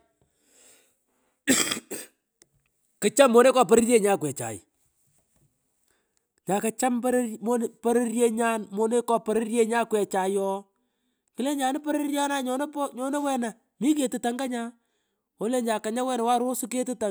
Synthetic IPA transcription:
kɪ˨t͡ʃa˦mːo˨ne˦kɔ˦p̬ɔ˨ɾɪ˦rje˦ɲa˦kwɛ˨t͡ʃa̰˨j | ɲa˨ka˨˦t͡ʃa˦mpɾmo˦n˦pɔ˦ɾe˦rje˦ɲa˦nmo˨ne˦kɔ˨pɔ˨ɾɪ˦ɾje˦ɲa˦kwɛ˨t͡ʃa˨jɔ˦ | kɪ˨˦le˦ɲa˨nɪ˦pɔ˦ɾe˦rja˦na˦ɲɔ˨n˦pɲɔ˨ne˦wɛ˦na˨ | mi˦k̬e˨tu˨ta˨ŋɡa˦ɲa˦ | o˨˦le˦ɲa˨ka˨ɲa˦wɛ˦na˨wa˦ɾo˦su˦ke˦tu˦ta˨

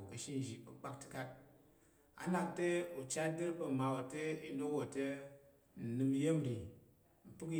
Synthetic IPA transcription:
kɐ˨ʃi˦n˨d͡ʒi˨bɐ˨k͡pa˦k̚ti̥˦ka˦t̚ | a̰˨na˨k̚te˦u˨t͡ʃa˦de˦ɾpɐ˨ma˨wo˨te˦i˦no˦kwo˨te˦ | n̩˨nɨ˨m˦je˦m˨ɾi˨ | m̩˨pɨ˦ki˦

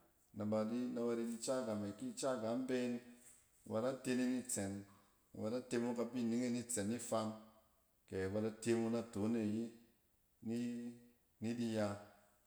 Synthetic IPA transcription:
na˨ba˨di˦na˧wa˧ɾi˧di˧t͡ʃa˦˨ɡa˨ma˨ki˦˨t͡ʃa˦ɡa˨˦m̩˦be˦n˨ | wa˧da˦te˧ni˧ni˦t͡se˨n̰˨ | wa˧da˦te˧mu˧ka˧bi˦˨ni˦ŋe˦ni˦t͡se˨nːi˦fa˧n | ke˨ba˧da˦te˧mu˧na˧to˨˦ne˦˨ji˦ | ni˦ | ni˦di˧ja˧

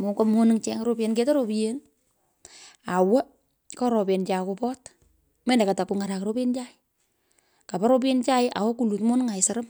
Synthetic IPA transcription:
mo˨komo˦nɨ˦ŋt͡ʃɛ˦ŋɾo˦pje˧˦nke˦ta˦ɾo˨pijen | a˨wɛ˦ | kɔ˦ɾo˨pe˨nt͡ʃa˨kopɔ˦t | mɛ˦nda˨ka˨ta˨ku˨ŋa˨ɾa˨kɾo˦pe˦nt͡ʃa˦ɪ | ka˨pa˦ɾo˦p̬e˦nt͡ʃa˦jɪʔa̰˨wo˦ku˨lu˨tmo˦nɨ˦ŋa˨ɪsa˨ɾɐ˦m

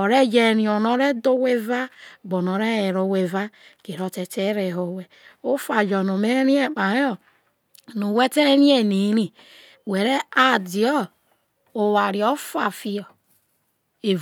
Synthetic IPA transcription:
o˨ɾe˦d͡ʒe˦˨ɾĩ˨o˨no˦ɾe˦do˦we˦va˦ɡ͡bo˨no˨˦ɾe˦e˨ɾo˨we˨va˦ke˨ɾo˦te˨te˦ɾe˨ɦo˨we˨o˦fa˨d͡ʒɔ˨no˨me˦ɾi˦e˦˨k͡pa˨ɾe˦o˨ | nu˨we˦te˦ɾi˦e˦ni˨˦ɾi˨ | we˨ɾe˦a˨di˨ɔ˦ | o˨wa˨ɾi˨ɔ˦fa˨fi˨ɔ˨ | e˨

